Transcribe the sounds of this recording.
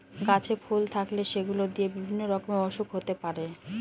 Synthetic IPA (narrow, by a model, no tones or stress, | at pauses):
ɡat͡ɕʰefʰult̪ʰakleʃeɡulod̪iebibʱinːoɾɔkomeɔʃukɦot̪epaɾe